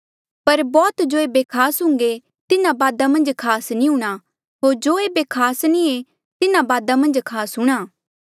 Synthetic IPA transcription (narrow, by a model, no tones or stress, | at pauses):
pɐɾbɔːt̪d͡ʒoːeːbekʰaːsɦʊ̃ŋɡe | t̪ɪnãbaːd̪amɐ̃nd͡ʒkʰaːsnĩɦũːɽ̃a | ɦoːɾd͡ʒoːeːbekʰaːsnĩe | t̪ɪnãbaːd̪amɐ̃nd͡ʒkʰaːsɦʊ̃ɽ̃aː